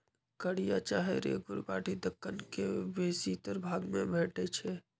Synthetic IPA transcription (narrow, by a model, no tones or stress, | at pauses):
kəɽ̤ijat͡ʃaːɦeɾḛɡʊɾbaːʈid̪əkːənkebeːsit̪əɾbʱaːɡmḛ̃bʱeːʈet͡ʃʰɛ